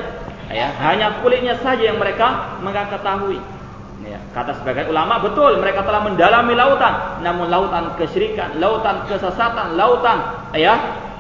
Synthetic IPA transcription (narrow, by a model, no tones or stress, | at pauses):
jaɦaɲakulɪʔ̚ɲasad͡ʒajaŋməɾekaməŋakət̪aɦui | ja̰kat̪asəbaɡajulamaʔbət̪ʊlməɾekat̪əlahməndalamilaut̪anːamʊnlaut̪ankəʃiɾikanlaut̪ankəsəsat̪anlaut̪an | ja